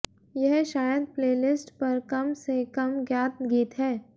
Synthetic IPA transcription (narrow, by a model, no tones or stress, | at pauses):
jɛɦʃaːjəd̪̚pleːlɪsʈpɐɾkɐmsekɐmɡjaːt̪̚ɡiːt̪ɦɛː